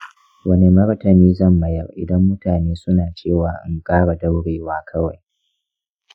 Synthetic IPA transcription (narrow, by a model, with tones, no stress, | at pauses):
wɐ˦ni˨mɐ˦ɽɐ˦tɐ˨niː˦zɐ˦˨mːɐ˨jɐ˦˨rʔɪ̰˨dɐ˦mːʊ˦taː˨neː˦sʊ˦naː˨t͡ʃeː˦˨waː˦ʔɪ̰˦ŋkʼaː˦ɽa˨dɐ˦wɽeː˨waː˦kʰɐ˦wa˨j